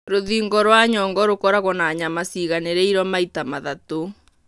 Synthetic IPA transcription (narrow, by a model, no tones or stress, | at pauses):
ɾoðiːŋɡɔɾwaɲɔŋɡɔɾokɔɾaɣɔnaːɲamasiːɣaneɾeiɾɔmaitamaðato